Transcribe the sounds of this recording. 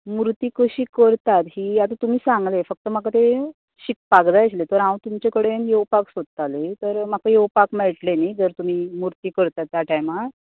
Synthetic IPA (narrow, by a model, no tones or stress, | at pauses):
muɾt̪iːkəɕiːkəɾt̪at̪ɦiːjat̪at̪um̤iːsãŋɡlefək̚t̪əmakat̪e | ɕik̚paɡd͡zajt͡ɕlet̪əɾãwt̪umt͡ɕekəɽenjewpaksod̪̚t̪alet̪əɾm̤akəjewpakmɛɭʈlenajd͡zəɾt̪um̤iːmuɾt̪iːkəɾt̪at̪ːjaʈajma